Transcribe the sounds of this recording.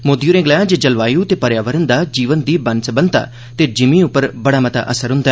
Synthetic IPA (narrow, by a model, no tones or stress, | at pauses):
moːd̪ijuːɾẽːɡlaːjãd͡ʒeːd͡ʒəlʋaːjũt̪eːpəɾjaːʋəɾənd̪aːd͡ʒiːʋənd̪iːbɐnsəbə̃nt̪a̰ː | t̪ed͡ʒɪmĩʊpːəɾbəɽaːmət̪a̰ʔəsəɾɦʊ̃nd̪aː